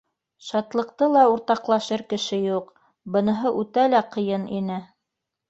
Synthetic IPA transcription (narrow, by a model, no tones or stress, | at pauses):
ʃɑt̪lˠɤ̆q̚t̪ɤlˠɑuɾt̪ɑqlˠɑʃɤɾkɘ̆ʃɘjuq | bɤ̆nɤ̆ɦɤʔʉt̪ælæqɤ̆jɤnḭnɘ